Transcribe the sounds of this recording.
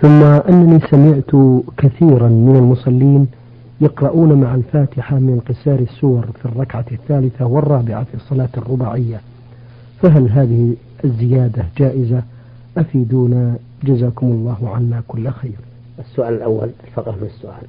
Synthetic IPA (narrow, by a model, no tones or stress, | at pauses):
θʊmːaʔanːaniːsamɪʕt̪kaθiːɾanmɪnalmʊsˤɑlːiːn | jɑqɾˤɑʔuːnamaʕalfaːt̪ɪħamɪnqɪsɑːɾɪsːʊwɑɾˤfirˤːɑkʕaθːaːlɪθawɪrˤːɑːbɪʕafisˤːɑlɑːt̪ɪrˤːʊbaːʕɪjːa | faɦalɦaːðɪhi | ʔazːɪjaːd̪ad͡ʒaːʔɪza | ʔafiːd̪uːna | d͡ʒazaːkʊmɑlˤːɑːhʕanːakʊlːxeːɾ | ʔɪsːʊʔaːlɪlʔawːa̰llfɑqɾmɪnasːʊʔa̰ːl